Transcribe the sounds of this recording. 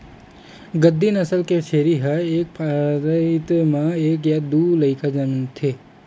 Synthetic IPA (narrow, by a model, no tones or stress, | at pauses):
ɡəd̪ːinəsəlkeʃʰeɾiɦaeːk̚pʰaɾəit̪mãeːk̬jad̪uːləɪkʰad͡ʒəmint̪ʰeː